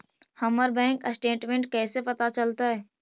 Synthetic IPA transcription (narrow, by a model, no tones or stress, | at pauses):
həməɾbɛ̃ːŋkə̰sʈeːʈmẽɳʈ̚kɛːsepɐt̪at͡ʃəlt̪aɦɛː